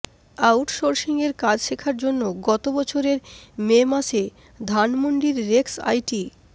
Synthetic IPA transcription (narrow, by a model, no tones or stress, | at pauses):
awʈʃoɾʃiŋɡeɾkad͡ʑʃekʰaɾd͡ʑonːoɡɔt̪obɔt͡ɕʰoɾeɾmemaʃe | d̪ʱanmoɳɖiɾːeksa̰jʈi